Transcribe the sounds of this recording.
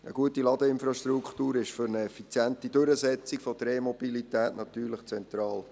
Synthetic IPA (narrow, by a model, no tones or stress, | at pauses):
ə̰ɡuətilɑd̪əɪnfɾɑʃtɾukχtuːɾɪʃfʏɾnəɛfit͡sjæntid̥øɾəzɛt͡sikfɔdɾeːmɔb̥ilitɛːtnɑt̪yːɾləχt͡sɛnt̪ɾɑːl